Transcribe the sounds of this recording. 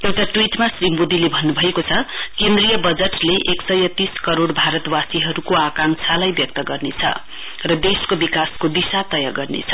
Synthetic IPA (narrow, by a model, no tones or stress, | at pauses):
ewʈaʈwiʈmasrimbod̪ilebʱʌnːubʱʌekot͡sʰʌkend̪rijʌbʌd͡zʌʈleʔeksʌjʌt̪iskʌɾoɽbʱaɾʌt̪wasiɦʌɾukoakaŋsʰalajbjʌk̚t̪ʌɡʌrnet͡sʰʌ̰ | rʌd̪eskobikaskod̪isat̪ʌjaɡʌrnḛt͡sʰʌ